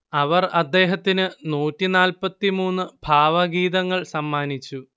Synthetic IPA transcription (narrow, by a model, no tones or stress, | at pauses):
ɐʋɐrɐd̪ːe̞ːɦɐt̪ːinɨnuːtːinaːlpɐt̪ːimuːnːɨbʱaːʋɐɡiːðɐŋːɐɭsɐmːaːnit͡ɕːu